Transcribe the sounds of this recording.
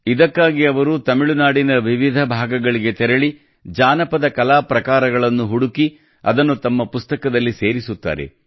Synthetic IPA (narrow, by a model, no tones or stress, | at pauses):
id̪ɐkːaːɡiɐʋɐɾut̪ɐmiɭunaːɽinɐʋiʋid̪ʱɐbʱaːɡɐɡɐɭiɡe̞t̪ɛɾɐɭi | d͡ʒaːnɐpɐd̪ɐkɐlaːpɾɐkaːɾɐɡɐɭɐnːuɦuɽuki | ɐ̰d̪ɐnːut̪ɐmːɐpust̪ɐkɐd̪ɐlːise̞ːɾisut̪ːa̰ːɾe̞̰